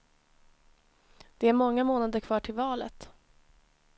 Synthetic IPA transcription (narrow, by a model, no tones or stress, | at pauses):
d̪̥ɛæɾmɔŋːamoːnad̪əɾkʰvɑːʈʰɪlvɑːlə̰t̪